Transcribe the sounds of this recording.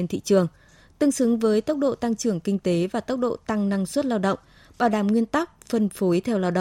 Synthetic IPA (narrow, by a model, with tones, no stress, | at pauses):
e˧nt̪ʰḭ˧˨t͡ɕɨ˨˩əŋ | t̪ɨ˧əŋsɨ˨˦ŋvəː˨˦jt̪ə˦˥wk͡p̚ɗo̰˧˨t̪a˧ŋt͡ɕɨ˧˩əŋkï˧ŋ̟t̪e˨˦vaː˨˩t̪ə˦˥wk͡p̚ɗo̰˧˨t̪a˧ŋna˧ŋswə˦˥t̚laː˧wɗə̰˧˨wŋ͡m | ɓaː˧˩wɗaː˨˩mŋwi˧ənt̪a˦˥k̚fə˧nfo˨˦jt̪ʰɛ˧wlaː˧wɗə̰˧˨